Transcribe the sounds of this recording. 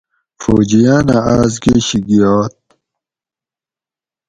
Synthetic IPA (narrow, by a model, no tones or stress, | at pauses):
fo̰ːd͡ʑijaːnaaːzɡeːɕiɡijaːt̪̚